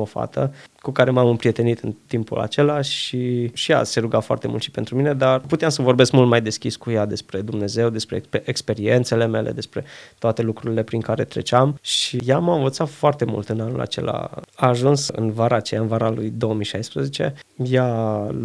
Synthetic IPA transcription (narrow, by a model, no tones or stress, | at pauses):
ofa̰t̪ʰə̰kukaɾe̞mamɨmpɾie̞t̪e̞nit̪ɨnt̪impṵla̰t͡ʃe̞laʃiʃija̰se̞ɾuɡafoa̰rt̪e̞mṵlt̪ʃi̥pe̞nt̪ɾumine̞d̪arput̪eamsəvo̞rbeskmult̪majd̪e̞skʲiskujad̪e̞spɾe̞d̪umne̞ze̞wd̪e̞spɾepeʔekspe̞ɾie̞nt̪se̞le̞me̞lʔe̞̰d̪e̞spɾe̞̰t̪oat̪e̞lukɾuɾile̞pɾiŋkaɾe̞t̪ɾe̞̰t͡ʃamʃijamaɨnvət̪sat̪foart̪e̞mṵlt̪ɨnanṵla̰t͡ʃe̞̰la̰aːʒunsɨ̰nvaɾaːt͡ʃejaɨnvaɾalujd̪o̞omijʃajspɾəzet͡ʃe̞̰ | ja